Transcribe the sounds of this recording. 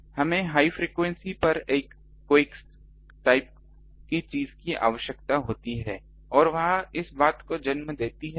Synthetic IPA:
hɐmẽɦaːifɾiːkʋɛ̃nsipɐɾeːkː | eːks | ʈaːɪp̚ | kit͡ʃiːzkiʔa̰ːʋəʃjəkt̪aɦoːt̪iɦɛː | ɔːɾʋɐɦãɪsbaːt̪kod͡ʒɐnmd̪eːt̪iɦɛ

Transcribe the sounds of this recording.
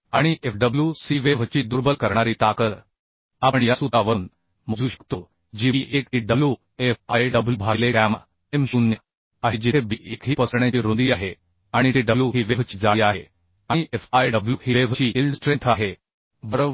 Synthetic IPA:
aɽ̃iʔefɖəbljusiʋeʋt͡ɕiːd̪uɾbəlkəɾɳaɾiːt̪akət̪ | apəɳjasut̪aʋən | məd͡zʱuːɕə̥k̚t̪o | d͡ʑiiʔekʈiɖəblju | efajɖəbljubʱalekama | emɕuːnː | aɦid͡ʑiebiʔekɦiːpəsɳ̃jat͡ɕiːɾond̪iːaɦe | aɽ̃it̪iɖəljuɦiːʋeʋt͡ɕi̥ːd͡zaiaɦe | aiʔefajɖəbljuɦiʋeʋt͡ɕiːilsʈɾent̪ʰaɦe | bəɾə

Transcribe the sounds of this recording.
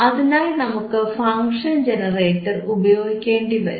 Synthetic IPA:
ɐðinaːlnɐmukːɨfɐŋʂɐnd͡ʑenɐreːʈːɐrubɐjoːɡikʲːeːɳɖiʋɐ̰ɾu

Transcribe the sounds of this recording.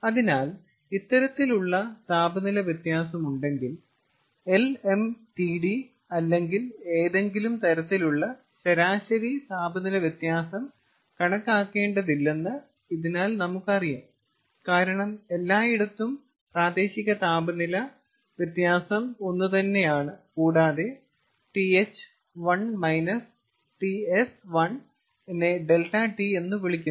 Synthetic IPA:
ɐðinaːl | it̪ːɐɾɐt̪ːiluɭːɐt̪aːbʱɐnilɐʋjet̪jaːsɐmuɳɖe̞ŋɡil | e̞le̞mʈiɖi | ɐlːe̞ŋɡile̞ːðe̞ŋɡilumt̪ɐɾɐt̪ːiluɭːɐ | ɕɐɾaːɕɐɾisaːbʱɐnilɐʋjet̪jaːsɐm | kɐɳɐkːaːkːe̞ːɳɖɐðilːenːɨ | iðinaːlnɐmukːɐrijum | kaːɾɐɳɐme̞lːaːiɽɐt̪ːum | praːd̪e̞ːɕiɣɐt̪aːbɐnilɐ | ʋjɐt̪jaːsɐmo̞nːut̪ɐnːe̞jaːɳɨkuːɽaːðe̞ | ʈiet͡ɕːɨ̥ | ʋɐɳmɐjnɐs | ʈiesʋɐɳ | enːeɖe̞lʈɐʈie̞nːuʋiɭikʲːun

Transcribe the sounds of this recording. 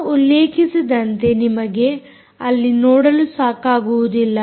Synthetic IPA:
ulːeːkʰisid̪ɐnt̪e̞nimɐɡe̞ | ɐlːinoːɽɐlusaːkaːɡuʋud̪ilːɐ

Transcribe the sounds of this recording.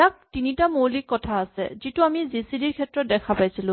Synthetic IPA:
ak̚tinitamolikːɔtʰaːsɛ̰zituamizisidiɹkʰɛtɹɔt̚dɛkʰapajsilʊ̃

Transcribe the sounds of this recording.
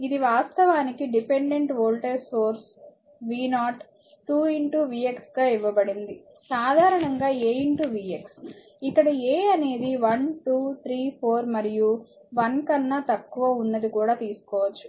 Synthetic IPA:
id̪iʋaːst̪ɐʋaːnikiɖipe̞ɳɖeɳʈʋoːɭʈeɾsoːɾs | ʋiːnaːʈ | ʈuːiɳʈuʋiːeksɡaːiʋːɐbɐɽind̪i | saːd̪ʱaːɾɐɳɐŋɡaːeːiɳʈuʋiːeks | ikːɐɽɐeːɐne̞ːd̪iʋɐnʈuːt̪ʰɾiːpʰoːɾmɐɾijuʋɐnkɐnːɐt̪ɐkːuʋɐunːɐd̪ikuːɽaːt̪iːsu̥kɔːʋɐt͡ʃːu̥

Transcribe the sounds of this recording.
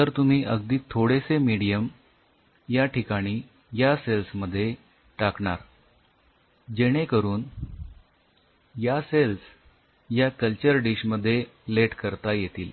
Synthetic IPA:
t̪əɾt̪um̤iːʔəɡd̪iːt̪ʰːoɽesemiɽijəm | jaʈʰikaɽ̃iː | jaselsməd̪ʱːje | ʈakɳa̰ɾ | d͡ʑeɽ̃ekəɾuːn | jasels | jakəlt͡ɕəɾɖiɕməd̪ʱːjeleʈkəɾt̪ajet̪iːl

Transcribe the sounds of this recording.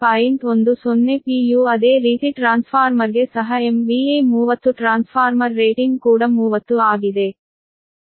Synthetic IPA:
paːjiɳʈond̪usonːepiːjuːɐd̪eːɾiːt̪iʈɾaːnspʰaːɾmɐɾɡesɐɦɐemʋiemuːʋɐt̪ːuʈɾaːnspʰaːɾmɐɾːeːʈiŋɡkuːɽɐmuːʋɐt̪ːuaːɡid̪e̞

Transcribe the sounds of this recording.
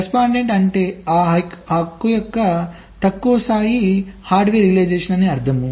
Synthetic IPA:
espaːɳɖeɳʈɐɳʈeːaːɦɐkːujɔkːɐ | t̪ɐkːuːɐsaːjihaːɾɖʋeːɾiɡleːd͡ʒeːʂɐnɐneːɐɾt̪ʰɐmu

